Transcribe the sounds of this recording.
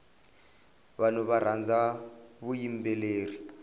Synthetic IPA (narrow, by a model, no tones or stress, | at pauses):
βanuβaɾand͡zaβujimbɛleːri